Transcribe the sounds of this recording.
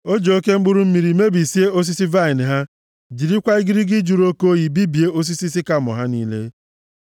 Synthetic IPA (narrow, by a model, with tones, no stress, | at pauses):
o˦d͡ʒo˨o˦ke˦ŋ͡m̩˦ɡ͡bʊ˦ɾu˦m̩˦mi˨ɾi˨me˦bi˨si˦e˦o˦s̬i˦si˦va˦ɪ˨n˨ɦa˦ | d͡ʒi˨ɾi˦kʷa˦i˦ɡɪ˦ɾi˦ɡɪ˦d͡ʒu˨ɾo˦ko˦ji˨bi˦bi˨e˦o˦s̬i˦si˦si˦ka˦˨mɔ̰˨ɦa˦niː˦lḛ˦